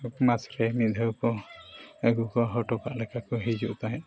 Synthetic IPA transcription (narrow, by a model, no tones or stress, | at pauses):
kmasɾɛmid̪ʱəwkɔ | əɡukɔɦɔʈɔka̰ʔlɛkʰakɔɦid͡ʒuʔt̪aɦɛ̃